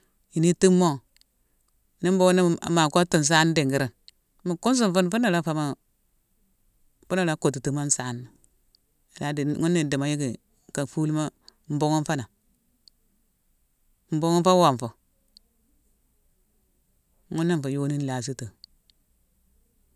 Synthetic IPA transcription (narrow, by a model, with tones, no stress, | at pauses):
ji˨ni˦ti˦mːo˦ | ni˦m˦bo˦ŋ˦n˦˨ma˨ko˦tu˦˨n˨s̬a˦n˦di˨ŋɡi˦ɾi˨n | mi˨ku˦ns̬u˦˨mfu˦nfu˦na˨la˦fa˨ma˦ | fu˦na˨ɾa˦ko˨ti˨tu˨ma˦n̩˦sa˦nːi˨ | la˦dŋu˦nːi˨di˨ma˨ji˦ki˨ | ka˨fu˦lma˦m̩˦bo˦ŋo˦n˦fa˦na˨ | m̩˨bo˦ŋo˦nfa˦wa˨ɱfo˨ | ŋu˦nːi˦n˨fo˨jo˦ni˦n˦la˨s̬i˦to˨